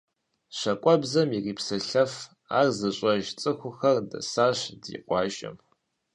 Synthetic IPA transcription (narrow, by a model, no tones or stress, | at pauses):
ɕɐkʷʼɔbzɐmiriːpsɨɬɐf | a̰ːrzɨɕʼɐʒt͡sʼɨxʷʊxɐrdɐ̰saːɕdḭqʷʼɑːʒʼɐ̰m